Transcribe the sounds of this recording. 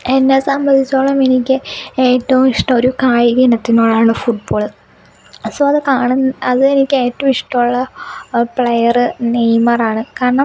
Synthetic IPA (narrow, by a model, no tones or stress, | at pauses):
enːesɐmbɐnd̪ʱit͡ɕːoːɭːɐme̞nikʲːɨe̞ːtːɐʋumiʂʈɐmoɾukaːjiɣɐnɐt̪ːinoːɭaːuɭːɨfuʈ̚boːɭɨ | soːɐðɨkaːɳunːɐðɨenikʲːɨeːtːɐʋumiʂʈɐmuɭːɐpɭejɐrɨnejmɐraːɳɨkaːɾɐɳɐm